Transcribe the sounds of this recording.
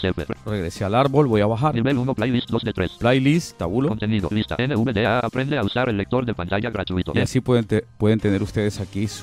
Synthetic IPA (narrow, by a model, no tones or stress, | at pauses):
sepereɣɾesealaɾβo̞lβo̞jaβaxaɾiβelunoplajlist̪̚d̪o̞sd̪et̪ɾesplajlist̪t̪aβulokont̪e̞niðoβist̪a̰eneuβeðeaapɾe̞nd̪eausaɾelːe̞k̚t̪o̞ɾðepant̪aʝaɣɾat̪uit̪oʔiasipweðet̪epweðent̪e̞ne̞ɾust̪eðesakis